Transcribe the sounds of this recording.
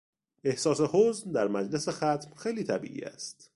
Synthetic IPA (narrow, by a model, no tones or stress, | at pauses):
e̞hsɒːse̞hoznd̪æɾmæd͡ʒlese̞xæt̪ʰmxejliːt̪ʰæbḭːʔḭːæ̰st̪